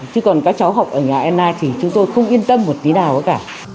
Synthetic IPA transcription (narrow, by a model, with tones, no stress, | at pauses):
t͡ɕɨ˨˧kɔ˨˩nkaː˨˦˥k̚t͡ɕa˨˦wɦa˨˩wk͡p̚ʔəː˧˩ɲaː˨˩ʔɛ˧mnaː˧jt̪ʰi˨˩t͡ɕʊ˨˦ŋ͡mt̪o˧jxə˧wŋ͡mʔi˧ənt̪ə˧mːo˨˩t̚ni˨˦naː˨˩wʔəː˨˦kaː˧˩